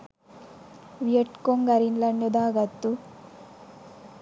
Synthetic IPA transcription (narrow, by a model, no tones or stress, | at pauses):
ʋijeʈkoŋɡɐɾinlɐnjɔd̪aːɡɐt̪ːu